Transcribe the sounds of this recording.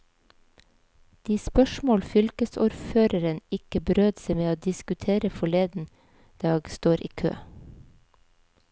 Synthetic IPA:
d̪̥iːspœʃmoːlfʏlkəsṵːɾføːɾəɾənɪkəbɾøːd̪semeːoːd̪ɪskʉt̪ʰeːɾəfɔɭeːd̪n̩ | d̪̥ɑːɡst̪oːɾʔḭːkʰø̰ː

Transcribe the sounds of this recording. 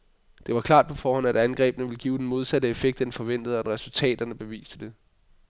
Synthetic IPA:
d̥e̝ʋɑ̈kʰlɑ̰̈ːd̥̚pʰɒ̽fɒːhɒ̽n̰æd̥ænɡ̥ʁɛ̰ːb̥ənəʋe̝lɡ̥iːʊd̥enmo̝ð̞ˠsædəefeɡ̥d̥ɐd̥enfɒ̽ʋen̰d̥ð̞̩ˠɒ̥eʁɛsult͡sʰɛ̰ːd̥ɐnəb̥e̝ʋḭːsd̥əd̥e̝

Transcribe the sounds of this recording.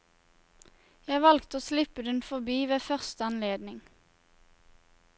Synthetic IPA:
jæɪʋɑlkt̪oːslɪpəd̪ɛnfɔʁbiːʋeːfœʁst̪əɑnleːd̪nɪŋ

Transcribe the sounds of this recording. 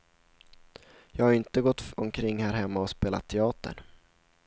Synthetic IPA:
jɑːɡhaɾɪnt̪əɡɔt̪ːɔmkʰɾɪŋːhæːɾɦɛmːaɔspeːla̰t̪ʰːɛɑːt̪ə̰ɳ

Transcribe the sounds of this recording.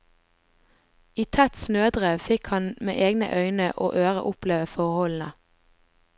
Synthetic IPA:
iːt̪ʰæt̪snøːd̪ʁeːʋfɪkhɑnmḛːʔeːɡnə̰ʔœʏnəʔo̰ːʔøːʁə̰ʔʊpleːʋəfɔʁhɔln̩ə

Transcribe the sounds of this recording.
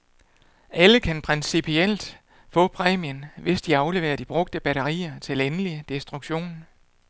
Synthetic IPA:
ʔæləkʰænpʰʁɛnsipʰiel̰d̥ | fɔ̰̽ːpʰʁɛ̰ːmiənʋe̝sd̥iɑ̈ʊle̝ʋe̝̰ːɐd̥ib̥ʁɔ̽ɡ̥̚d̥əb̥æɾɐʁḭːɐt͡sʰe̝lenəlid̥e̝sd̥ʁuɡ̥ɕo̝̰ːn

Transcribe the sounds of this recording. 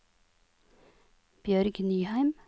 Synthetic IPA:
b̥jœɾɡnyːhæɪm

